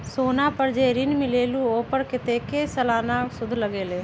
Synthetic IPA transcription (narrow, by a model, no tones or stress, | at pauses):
soːnapəɾd͡ʒeːɾɪnmɪleːluoːpəɾkɪt̪eːkesɐlaːnasʊd̪ʱləɡeːleː